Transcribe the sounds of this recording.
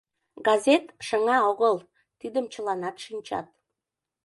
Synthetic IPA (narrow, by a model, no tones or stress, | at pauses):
ɡɑzʲet̪ʃəŋɑoɣəl | t̪id̪əmt͡ɕəlɑnɑt̪ʃinʲt͡ɕɑ̰t̪̚